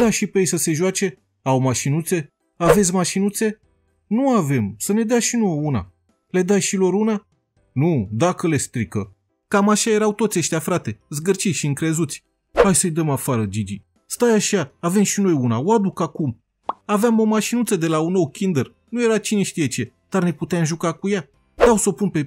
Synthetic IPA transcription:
d̪aʃipeejsəse̞ʒwat͡ʃe̞ | awmaʃinut̪se̞ | ave̞t̪sʲmaʃinut̪se̞ | nuave̞msəne̞d̪eaʃinowouna̰ | le̞d̪ajʃilo̞ɾuna | nud̪akəle̞st̪ɾikə | kamaʃaje̞ɾawt̪o̞t̪sʲeʃt̪ʲjafɾat̪e̞ɨzɡərt͡ʃiʃiɨŋkɾe̞zut̪sʲ | hajsəjd̪əmafaɾəd͡ʒid͡ʒi | st̪ajaʃaːve̞mʃino̞junawad̪ukakum | aveamo̞maʃinut̪səd̪e̞launowkʲind̪ər | nuje̞ɾat͡ʃineʃt̪ije̞t͡ʃe̞ | d̪̥arne̞put̪eamʒukakuja | t̪awsopunpe̞

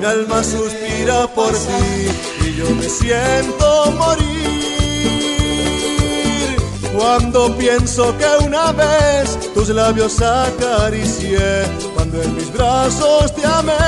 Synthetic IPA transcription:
mialmasuspiɾapo̞ɾt̪i | iʝo̞me̞sjent̪omoɾi | ɾ | kwand̪o̞pje̞nso̞ke̞unaβes | t̪us̬laβjo̞sakaɾisje | kkwand̪oenmizβɾasost̪eame

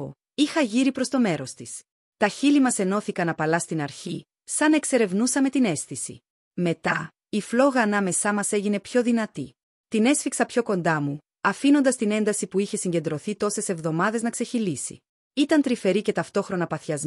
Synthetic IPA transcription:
o̰ | ixɐʝiɾipɾo̞st̪o̞me̞ɾo̞st̪is | t̪ɐçilimɐse̞no̞θikɐnɐpɐlɐst̪inɐɾçi | sɐne̞kse̞ɾe̞vnusɐme̞t̪ine̞sθisḭ | me̞t̪ɐ | iflo̞ɣɐːnɐme̞sɐmɐse̞ʝine̞pço̞ðinɐt̪i | t̪ine̞sfiksɐpço̞ko̞nd̪ɐmu | ɐfino̞nd̪ɐst̪ine̞nd̪ɐsipuiçe̞siɲɟe̞nd̪ɾo̞θit̪o̞se̞se̞vðo̞mɐðe̞znɐkse̞çilisḭ | it̪ɐnt̪ɾife̞ɾice̞t̪ɐft̪o̞xɾo̞nɐpɐθçɐz

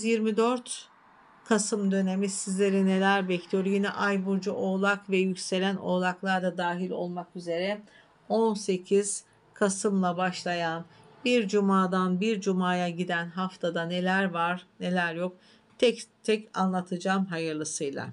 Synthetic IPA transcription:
yzjiɾmid̪øɾt̪ | kʰasɯmd̪ø̞ne̞misizlʲe̞ɾine̞lʲæɾbɛclʲijo̞ɾjinɛ̰ʔajbuɾd͡ʒuʔo̞ːlˠakvɛjycse̞lʲænʔo̞̰lˠaklˠaɾd̪ad̪aːɦilʲo̞̰lˠmakyze̞ɾɛ | o̞nse̞cʰiz̥ | kʰasɯmlˠabaʃlˠajan | biɾd͡ʒumaːd̪anbiɾd͡ʒumaːjaɟid̪ænɦaft̪ʰad̪ane̞lʲæɾvaɾne̞lʲæɾjo̞k̚ | t̪ʰɛct̪ʰɛca̰nlˠat̪ʰɯd͡ʒaːmɦajɯɾlˠɯsɯjlˠa̰

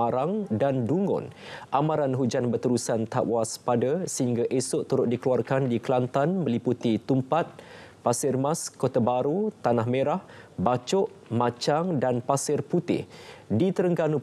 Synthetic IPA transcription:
aɾaŋdanduŋɡʊ̰nʔamãɾanɦud͡ʒanbərt̪əɾusant̪aʔwaspadasəhiŋɡaʔesʊʔt̪uɾʊt̪̚dikəluarkandikəlant̪anmə̃liput̪it̪umpat̪̚pasɪrmaskot̪abaɾut̪anahmẽɾahbat͡ʃʊʔmãt͡ʃaŋdanpasɪrput̪ɪ̰hdit̪əɾəŋɡanu

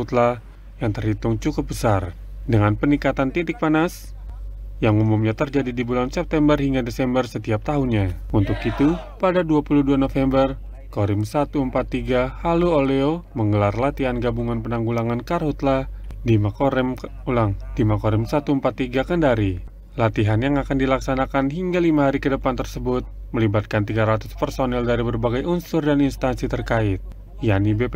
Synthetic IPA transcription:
ut̪la | jaŋt̪ərhit̪uŋt͡ʃukʊp̚bəsar | dəŋanpənikat̪ant̪it̪ɪk̚panas | jaŋumumɲat̪ərd͡ʒadidibulansɛp̚t̪ɛmbərhiŋɡadesɛmbərsət̪iap̚t̪aɦunɲaunt̪ʊkit̪u | padaduapuluduanofɛmbər | koɾimsat̪uəmpat̪ːiɡahaluoleoməŋɡəlarlat̪iɦanɡabuŋanpənaŋɡulaŋankarhut̪ladimaom | laŋdimakoɾimsat̪uəmpat̪ːiɡakəndaɾi | lat̪iɦanjaŋakandilaksanakanɦiŋɡalimaɦaɾikədəpant̪ərsəbʊt̪̚məlibat̪̚kant̪iɡaɾat̪uspərsonɛldaɾibərbaɡajunsʊrdaninst̪ansit̪ərkaɪt̪̚ | janibe

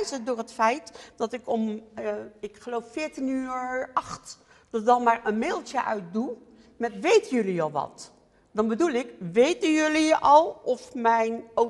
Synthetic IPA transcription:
zədʊːrɦətfɛjtdɑtɪkɔm | ɪkχəlowffɪːɹtinyːɹɑχt | d̥ɑdɑnˠmaːɹənmɪːlˠtjəʔœ̰ɥt̚du | mɛtʋejtənjɵliɑlˠʋɑ̰t | dɑnbədulˠɪkʋejtənjɵliʔɑlˠʔɔfmɛjno

